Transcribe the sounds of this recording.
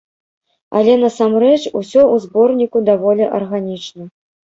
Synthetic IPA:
ɐ̰lʲɛnɐsamrɛt͡ʂusʲɔʔuzbɔrnʲikud̪avɔlʲɛʔɐrɣanʲit͡ʂnɐ

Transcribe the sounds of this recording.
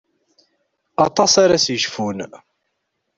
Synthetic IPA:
ɑt̪ˤɑsaɾasjəʃfun

